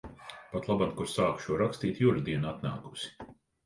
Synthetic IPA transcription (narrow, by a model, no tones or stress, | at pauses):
pat̪lˠabankuɾsaːkʃuɔɾakst̪iːt̪juɾd̪iɛnat̪na̰ːku̥si̥